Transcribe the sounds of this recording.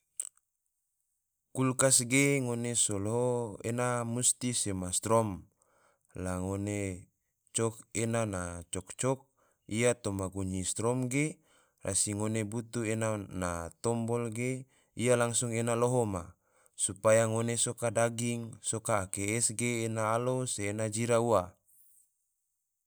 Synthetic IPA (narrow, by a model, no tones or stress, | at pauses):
kulkasɡeŋonesoloɦoḛnamust̪isemast̪ɾɔm | laŋone | t͡ʃɔk̚enanat͡ʃɔk̚t͡ʃɔk̚ | ijat̪omaɡuɲist̪ɾɔmɡe | rʔa̰siŋonebut̪uenanat̪ɔmbɔlɡe | ijalaŋsuŋenaloɦoma | supajaŋonesokadaɡiŋsokaːkeɛsɡeːnaːloseːnad͡ʒiɾaua